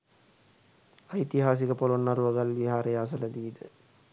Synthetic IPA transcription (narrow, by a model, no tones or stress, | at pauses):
ajit̪iɦaːs̬ikəpolonːaɾuʋəɡalʋiɦaːɾəjas̬ələd̪iːd̪ə